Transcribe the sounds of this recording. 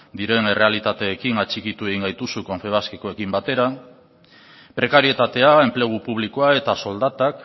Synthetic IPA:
d̪iɾe̞ne̞re̞alit̪at̪e̞ːkiŋat͡ʃikit̪ue̞ɣ̞iŋɡajt̪usukoɱfe̞β̞askeko̞e̞kimbat̪e̞ɾa | pɾe̞kaɾie̞t̪at̪e̞ae̞mple̞ɣ̞upuβ̞liko̞ae̞t̪aso̞ld̪at̪ak

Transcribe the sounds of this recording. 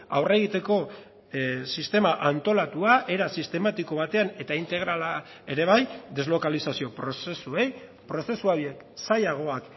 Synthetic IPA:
a̰wre̞ɣ̞it̪e̞ko̞ | sist̪e̞maʔant̪o̞lat̪uaʔe̞ɾasist̪e̞mat̪iko̞β̞at̪e̞ane̞t̪aint̪e̞ɣ̞ɾala | e̞ɾe̞β̞ajd̪e̞zlo̞kalisasio̞pɾosesue̞j | pɾo̞se̞suaβjek | sajaɣ̞o̞ak

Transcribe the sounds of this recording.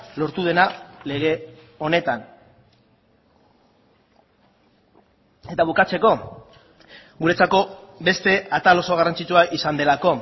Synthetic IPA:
lo̞ɾt̪uð̞e̞nale̞ɣ̞e̞ | o̞ne̞t̪an | e̞t̪aβukat͡se̞ko̞ | ɡuɾe̞t͡sako̞be̞st̪e̞at̪alo̞so̞ɣarant͡sit͡ʃuaʔisand̪e̞lako̞

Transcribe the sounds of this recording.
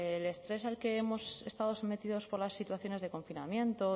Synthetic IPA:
le̞st̪ɾe̞salke̞emo̞se̞st̪aðo̞some̞t̪iðo̞spo̞ɾlasːit̪waθjo̞ne̞zðe̞ko̞ɱfinamjẽ̞nt̪o

